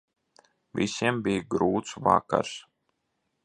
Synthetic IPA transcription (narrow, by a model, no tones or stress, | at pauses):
vʲisʲiɛmbʲijɡɾuːt̪sva̰ka̰ɾs